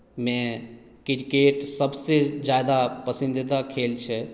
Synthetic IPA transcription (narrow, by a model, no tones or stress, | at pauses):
mɛ̃ | kɪɾkeːʈsəbsed͡ʒjaːd̪apəsɪ̃nd̪id̪akʰeːlt͡ʃʰɛ